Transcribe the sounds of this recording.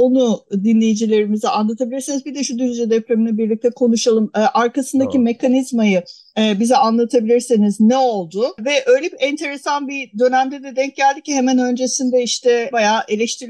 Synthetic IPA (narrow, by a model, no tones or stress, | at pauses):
o̞nud̪inlʲe̞jid͡ʒilʲe̞ɾimizianlˠat̪ʰabilʲiɾsinizbid̪ɛʃud̪yzzjɛd̪ɛpɾeminʲɛbiɾlʲic̚t̪ʰɛkʰo̞nuʃalˠɯmːʔaɾkasɯnd̪acime̞kʰanizmajɯː | bizɛanlˠat̪ʰabilʲiɾsiniznɛo̞lˠd̪ʊvɛʔø̞jlʲipɛnt̪ʰe̞ɾesanbid̪ø̞næmd̪ɛd̪ɛd̪ɛɲc̚ɟælʲd̪icʰiɦemænø̞nd͡ʒe̞sind̪ɛiʃt̪ʰɛbajaːʔe̞lʲɛʃt̪ʰiɾ